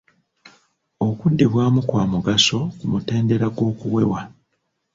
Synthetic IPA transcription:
o̞kudːeβwaːmukwaːmuɡaso̞kumute̞ːnde̞ɾaɡo̞ːkuwe̞wa

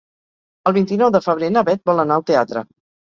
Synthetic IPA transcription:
əlˠβint̪inɔwðəfəβ̞ɾenəβɛt̪̚bɔlənaəlˠt̪eat̪ɾə̰

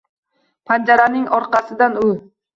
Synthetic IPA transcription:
pʰand͡ʒaɾanɪŋɒɾqɑsɪd̪anʊ

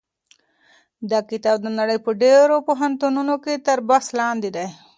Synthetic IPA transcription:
d̪ɑkɪt̪ɑb̚d̪ənaɽəjpəɖeɾopoɦant̪ununoket̪aɾbaslɑnd̪id̪aj

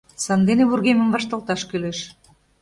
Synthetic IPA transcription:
sɑnd̪enĕβurɣemɘ̆mbɑʃt̪ɑ̆lˠt̪ɑʃkøleʃ

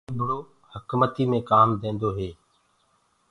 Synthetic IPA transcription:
bʱɽoː | həkmət̪iːmẽːkaːmd̪ẽːnd̪oːɦeː

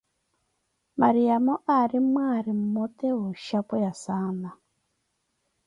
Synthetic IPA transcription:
maɾiamɔʔaɾimwaɾim̩mɔtɛuʃapɔjasana

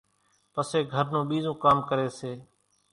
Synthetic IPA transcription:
pəseːɡʱəɾnũːɓiːzõːkaːmkəɾeːseː

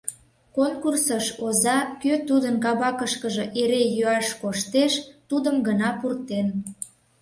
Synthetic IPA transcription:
konkursəʃozɑkøt̪ud̪ənkɑβɑkəʃkəʒəʔeɾejøɑʃkoʃt̪eʃt̪ud̪əmɡənɑpurt̪en

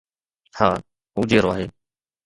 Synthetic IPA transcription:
ha̰ː | ʊd͡ʒeːɾoaːɦeː

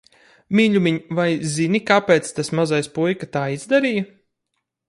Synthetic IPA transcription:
mʲiːʎʲumʲiɲvajzinikapeːt̪st̪asmazajspujkat̪aːizd̪aɾiːjɐ

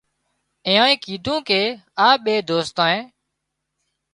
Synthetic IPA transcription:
ẽːãːĩːkiːd̪ʱũːkeːaːɓeːd̪oːst̪ãːẽː

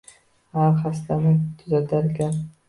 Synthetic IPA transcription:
halχast̪anɪt̪ʰʊzat̪ʰaɾkʲa

